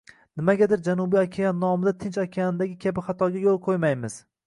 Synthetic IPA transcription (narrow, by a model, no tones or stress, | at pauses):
nɪmaɡʲad̪ɪɾd͡ʒanʊbijakʲʰejanːɒmɪd̪at̪ʰɪnt͡ʃakʲʰejanɪd̪aɡʲɪkʲʰabɪχat̪ʰɒɡʲajolˠqʰojmajmɪz̥